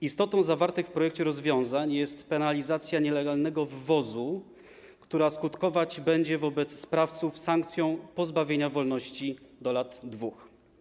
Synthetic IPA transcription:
ist̪ɔt̪ɔ̃w̃zavaɾt̪ɨxfpɾɔjɛk̚t͡ɕɛɾɔzvʲjɔ̃w̃zaɲjɛst̪pɛnalʲizat̪sʲjaɲɛlɛɡalnɛɡɔvvɔzu | kt̪uɾaskut̪kɔvad͡ʑbɛɲd͡ʑɛvɔbɛt̪sːpɾaft̪sufsaŋkt̪sʲjɔ̃w̃pɔzbavʲjeɲavɔlnɔɕt͡ɕid̪ɔlad̪ːvux

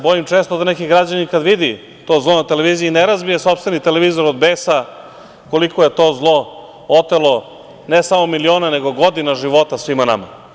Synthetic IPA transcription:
bo̞jimt͡ʃeːst̪od̪anekiɡɾad͡ʑaninkad̪ʋid̪i | t̪o̞ːzlˠonat̪eleʋiːziːneɾazbijesopst̪ʋe̞nit̪eleʋiːzo̞ɾod̪beːsa | ko̞likojet̪o̞ːzlˠo̞ | ot̪elo̞ | nesamo̞milio̞ːnaneɡo̞ɡo̞d̪inaʒiʋo̞t̪asʋimana̰ma̰

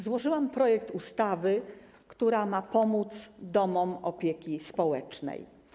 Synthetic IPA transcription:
zwɔʐɘwampɾɔjɛk̚t̪ust̪avɘ | kt̪uɾamapɔmut̪sd̪ɔmɔmɔpʲjekʲispɔwɛt͡ʂnɛ̰j

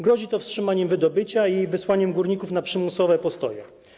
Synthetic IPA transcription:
ɡɾɔʑit̪ɔfstʂɘmaɲɛmvɘd̪ɔbɘt͡ɕaivɘswaɲɛmɡuɾɲikufnapʂɘmusɔvɛpɔst̪ɔ̰jɛ̰

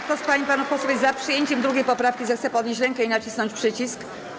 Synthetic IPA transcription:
t̪ɔspaɲipanufpɔswɔvʲjzapʂɨjeɲt͡ɕɛmd̪ɾuɡʲejpɔpɾafkʲizɛxt̪sɛpɔd̪ɲeɕt͡ɕɾɛŋkɛinat͡ɕisnɔɲt͡ɕpʂɘt͡ɕisk

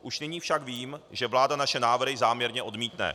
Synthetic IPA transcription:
ʔuʃnɪɲiːfʃakviːmʒɛvlaːdanaʃɛnaːvr̩ɦɪzaːmɲɛɾɲɛʔo̞dmiːt̪nɛ̰

